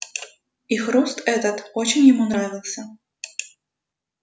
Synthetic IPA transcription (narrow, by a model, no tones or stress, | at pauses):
ixɾust̪ɛt̪ɐt̪ɔt͡ɕinʲjɐmunɾavʲilˠsʲɐ